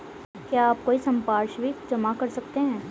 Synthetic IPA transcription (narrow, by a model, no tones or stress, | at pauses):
kjaaːp̚koːisɐ̃mpaːɾʃʋid͡ʒɐmakɐɾsɐkt̪eɦɛ̃ː